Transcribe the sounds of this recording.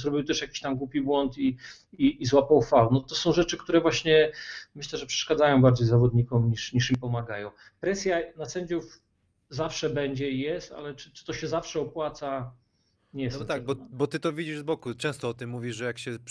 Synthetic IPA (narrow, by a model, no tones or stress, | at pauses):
zɾɔbʲiwt̪ɛʂjakʲi̥ɕt̪amɡwupʲibwɔnt̪i | iːzwapɔ̃wfawnɔt̪ɔsɔ̃w̃ʐɛt͡ʂɘkt̪uɾɛvwaɕɲɛmɘɕlɛʐɛpʂɛ̥ʂkad̪zajɔ̃w̃baɾd͡ʑejzavɔd̪ɲikumɲiʂɲiʂimpɔmaɡajɔ̃w̃ | pɾɛsʲjanasɛɲd͡ʑuf | zafʂɛbɛɲd͡ʑɛijɛst̪a̰lɛt͡ʂɘ̥t͡ʂɨ̥t̪ɔɕɛzafʂɛɔpwat̪sa | ɲɛjst̪aɡ̚bɔbɔt̪ɘt̪ɔvʲid͡ʑiʐzbɔkut͡ʂɛ̃w̃st̪ɔɔt̪ɘmːuvʲiʐɛjakɕɛ